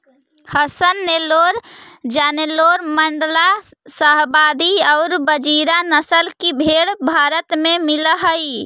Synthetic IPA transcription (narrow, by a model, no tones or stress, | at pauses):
həsənːeloɾd͡ʒaneloɾməɳɖlasəɦbad̪iɔʊɾbəd͡ʒiɾanəsəlkibʱeɽbʱaɾət̪mẽmiləɦəi